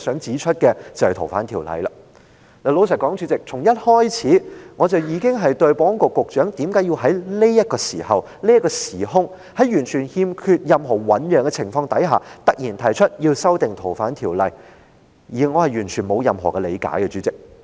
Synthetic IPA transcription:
sœː˨˥ŋt͡siː˨˥t͡ʃʰɵ˥t̚kɛ˧t͡sɐ˨whɛ˨jt̪ʰo˨˩wfaː˨˥nt̪ʰiː˨˩wlɐ̰˨jlɐ˨˧ | le˨˧lo˨˥ws̬ɐ˨t̚kɔː˨˥ŋt͡ʃyː˨˥t͡sɪ˨k̚t͡sʰʊ˨˩ŋjɐ˥t̚hɔː˥jt͡sʰiː˨˥ŋɔː˨˧t͡sɐ˨wjiː˨˧˥kɪ˥ŋɦɐ˨jt̪ɵ˧ɥpɔː˥ŋkʊ˨kːʊ˨k̚t͡ʃœː˨˥ŋt̪iː˨˥mkaː˨˥jiː˧wɦɐ˨˥jle˥jɐ˥t̚kɔː˧sḭː˨˩hɐ˨˩w | li˥ɐ˥kɔː˧siː˨˩ɦʊ˥ŋ | hɐ˨jjyː˨˩nt͡ʃʰyː˨˩nhiː˧mkʰyː˧t̚jɐ˨mɦɔː˨˩wɐ˨˥njœː˨˧ŋkɛ˧t͡sʰɪ˨˩ŋfɔː˧ŋt̪ɐ˨˥jɦa̰ː˨t̪ɐ˨˥k̚jiː˨˩nt̪ʰɐ˨˩jt͡ʃʰɵ˥t̚jiː˧wsɐ˥wt̪ɪ˨ŋt̪ʰo˨˩wfaː˨˥nt̪ʰiː˨˩wlɐ˨j | jiː˨˩ŋɔː˨˧hɐ˨jɥyː˨˩nt͡ʃʰyː˨˩nmo˨˧wjɐ˨mɦɔ̰ː˨˩kɛ˧lḛ˨˧jka̰ː˨˥jkɛ˧t͡ʃyː˨˥t͡sɪ˨k̚

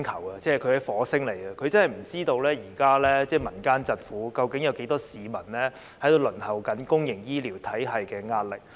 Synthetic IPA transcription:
ŋkʰɐ˨˩wɐ˧t͡sɛː˥˩kʰɵ˨˧ɥhɐ˨˥jfɔː˨˥sɪ˥ŋle˨˩jkɐ˧kʰɵ˨˧t͡sɐ˥nhɐ˨jm̩˨˩t͡siː˥t̪o˧wlɛː˥jiː˨˩kaː˥lɛː˥t͡sɛː˥˩mɐ˨˩nkaː˥nt͡sɐ˨t̚fuː˨˥kɐ˨˧wkɪ˨˥ŋjɐ˨˧wke˨˥jt̪ɔː˥siː˨mɐ˨˩nlɛː˥ | hɐ˥jt̪o˨˧wlɵ˨˩nhɐ˨˩wkɐ˨˥nkʊ˥ŋjɪ˨˩ŋjiː˥liː˨˩wt̪ʰɐ˨˥jɦɐ˨jkɛː˧ŋaː˧t̚lɪ̰˨k

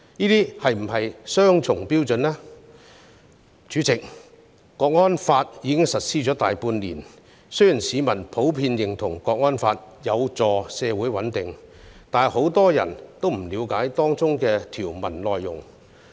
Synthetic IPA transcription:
niː˥t̪iː˥hɐ˨jm̩˨˩ɦɐ˨jsœː˥ŋt͡sʰʊ˨˩ŋpiː˥wt͡sɵ˨nlɛː˥ | t͡ʃyː˨˥t͡sɪ˨k̚ | kɔː˧k̚ŋɔː˥nfaː˧t̚jiː˨˧kɪ˥ŋsɐ˨t̚siː˥t͡ʃɔ˨˥t̪aː˨jpuː˧nlḭː˨˩n | sɵ˥ɥji˨˩nsiː˨˧mɐ˨˩npʰo˨˥wpʰiː˧njɪ˨˩ŋt̪ʰʊ˨˩ŋkɔː˧k̚ŋɔː˥nfaː˧t̚ | jɐ˨˧wt͡sɔː˨˧sɛː˨˧wu˨˥jwɐ˨˥nt̪ɪ˨ŋ | t̪aː˨nho˨˥wt̪ɔː˥jɐ̰˨˩nt̪o˥wm̩˨˩liː˨˧wkaː˨˥jt̪ɔː˥ŋt͡sʊ˥ŋkɛː˧t̪ʰiː˨˩wmɐ̰˨˩nlɔː˨jːʊ̰˨˩ŋ

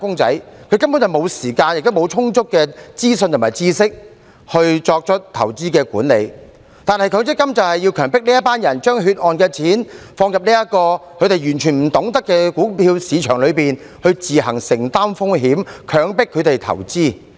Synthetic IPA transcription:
fʊ˥ŋt͡sɐ̰˨˥jkʰɵ˨˧˥kɐ˥mpu˨˥njɐ˨wmo˨˧wsiː˨˩kaː˧njɪ˨k̚t̪ʊ˥mo˨˧wt͡sʰʊ˥ŋt͡sʊ˥kːɛː˧t͡siː˥sɵ˧nt̪ʰmaː˨jt͡siː˥sɪ˥k̚ | hɵ˧ɥt͡sɔː˧k̚t͡ʃʰɵ˥t̚t̪ʰɐ˨˩wt͡siː˥kɛː˧kuː˨˥nle˨˧j | t̪aː˨nhɐ˨jkʰœː˨˧ŋt͡sɪ˥kːɐ˥mt͡sɐ˨whɐ˨jːiː˧wkʰœː˨˩ŋpɪ˥k̚niː˥jɐ˥t̚paː˥njɐ˨˩nt͡ʃœː˥ŋɦyː˧t̚ʔɔː˨nkɛː˧t͡sʰiː˨˥nfɔː˧ŋjɐ˨p̚niː˥jɐ˥tkɔː˧kʰɵ˨˧ɥt̪e˨jyː˨˩nt͡ʃʰyː˨˩nm̩˨˩t̪ʊ˨˥ŋt̪ɐ˥kːɛː˧kuː˨˥pʰiː˧wsiː˨˧t͡ʃʰœː˨˩ŋlɵ˨˧ɥpiː˨n | hɵ˧ɥt͡siː˨ɦɐ˨˩ŋsɪ˨˩ŋt̪aː˥mfʊ˥ŋɦiː˨˥mkʰœː˨˧ŋpɪ˥kʰːɵ˨˧ɥt̪e˨jt̪ʰɐ̰˨˩wt͡siː˥˩

